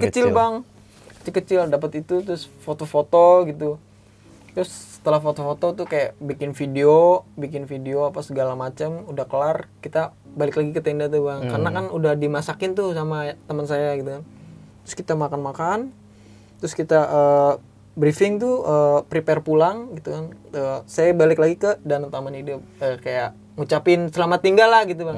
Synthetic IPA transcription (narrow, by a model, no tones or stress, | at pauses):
kət͡ʃɪlbaŋ | kə̥t͡ʃɪlkət͡ʃɪldapət̪it̪ut̪ɾʊsfot̪ofot̪oɡit̪u | t̪ɾʊsːə̥t̪əlahfot̪ofot̪ot̪ʊhkajabikɪnfideobik̬ɪnfideoapasəɡalamat͡ʃəmudahkəlarkit̪abalɪklaɡikət̪ɛndat̪ubaŋkarnakanudahdimasakɪnt̪ʊsamat̪əmənsajaɡit̪ukant̪ɾʊskit̪amakanmakan | t̪ɾʊskit̪aʔəː | bɾifɪŋt̪uəːpɾipɛrpulaŋɡit̪ukanəːsajabalɪklaɡikədant̪amanidʊp̚əːkajaʔ | ŋut͡ʃapɪnsəlamat̪ːiŋɡalːahɡit̪uba